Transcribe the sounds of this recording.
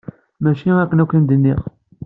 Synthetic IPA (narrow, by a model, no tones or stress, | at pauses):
mæʃiækːənækːənd̪ənːiʁ